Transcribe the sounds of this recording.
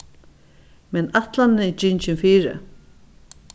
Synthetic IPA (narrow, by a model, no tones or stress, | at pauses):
mɛnat̪lanːɪd͡ʒɪɲt͡ʃɪnfiːɾɪ̰